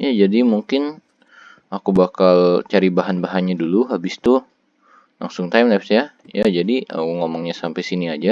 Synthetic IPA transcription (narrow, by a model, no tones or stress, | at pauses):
jad͡ʒadimuŋkɪn | akubakalt͡ʃaɾibaɦanbaɦanɲaduluɦabɪst̪u | la̰ŋsʊŋt̪ajmlasja | jad͡ʒadiə̰ŋomɔŋɲasampajsiniad͡ʒa